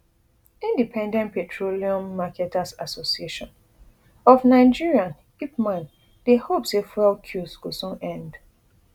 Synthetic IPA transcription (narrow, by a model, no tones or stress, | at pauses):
ĩndipʰɛ̃ndɛ̃ntpetʰɹoliɔ̃mːakɛtʰasasosieʃɔ̃n | ɔfnaɪd͡ʒiɹiãn | kipmãn | d̥ehopsefɛlkʰjusɡusũnɛ̃nd